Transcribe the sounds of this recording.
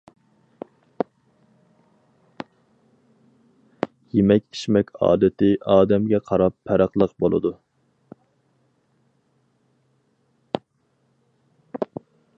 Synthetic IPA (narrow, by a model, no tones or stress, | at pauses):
jemɛkʲi̥ʃmɛkʲɑ̰ːd̪ɨt̪ɪʔɑːd̪ɛmɡʲɛqʰɑɾɑpʰːɛɾɑqlˠəqbolˠɨ̰d̪u